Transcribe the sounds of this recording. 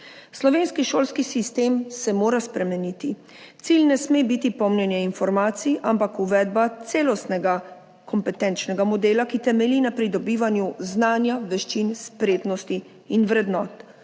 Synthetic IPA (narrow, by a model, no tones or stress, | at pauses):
slɔʋeːnskiʃoːlskisist̪eːmsɛmoːɾaspɾɛmɛnit̪i | t̪silnɛsmebit̪ipɔmnɛnjɛinfɔɾmaːt̪siʔampakuʋɛːd̪̚bat̪seːlɔst̪nɛɡa | kʰɔmpɛt̪ɛːnt͡ʃnɛɡamɔd̪eːlakit̪ɛmɛlinapɾid̪ɔbiːʋanjuznaːnjaʋɛʃt͡ʃinspɾeːd̪nɔst̪iː | nʋɾɛd̪nɔːt̪